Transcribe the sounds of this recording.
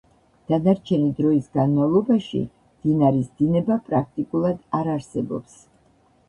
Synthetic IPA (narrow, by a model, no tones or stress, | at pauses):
d̪̥anaɾt͡ʃʰɛnid̪ɾɔisɡanmavlˠɔbaʃḭ | md̪̥inaɾisd̪inɛbapʼɾak̚ʰt̪ʼikʼulˠad̪aɾaɾsɛbɔ̰ps